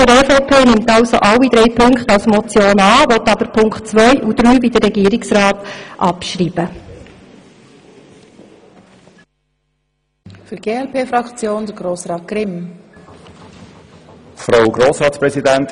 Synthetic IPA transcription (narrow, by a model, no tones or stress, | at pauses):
əɾɛfopʰeːnɪmtɑwso̰ʔɑlːid̪ɾɛjpʰɵŋkχtɑlsmɔt͡sjoːnɑːʋɔt̪ɑb̥əɾpʰʊŋkχtt͡sʋœjʔud̪ɾyːbid̪ərːɛɡiːɾɪksɾɑːtʔɑpʃɾiːb̥ə | fyɾɡ̥eːɛlpeːfɾɑkt͡sjoːnd̥əɾɡɾoːsɾɑːt̚ɡ̥ɾɪm | fɾaʊɡɾoːsɾɑːt̪spɾɛzidænt